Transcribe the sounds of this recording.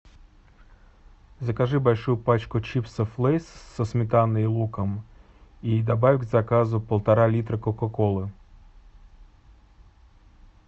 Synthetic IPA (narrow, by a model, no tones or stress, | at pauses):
zɐkɐʒɪbɐlʲʃujʊpɑt͡ʃkʊt͡ʃipsɐflˠɛjssɔsmʲit̪ɑnːɪjlˠukɐm | id̪ɐbɑʋʲɡzɐkɑzʊpɐlˠt̪ɐɾɑlʲit̪ɾɐkɔkɔkɔlˠɪ